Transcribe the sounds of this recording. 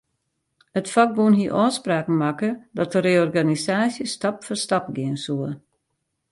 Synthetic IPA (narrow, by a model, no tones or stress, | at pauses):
ətfak̚buənɦiəʔɔːspraːkn̩makədɔtəɾeːɔrɡanisaːsjəstɑpfɔrstap̚ɡɪənsuə